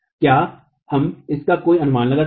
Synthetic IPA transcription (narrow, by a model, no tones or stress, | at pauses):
kjaː | hɐmɪskakoːiɐnʊmaːnlɐɡaː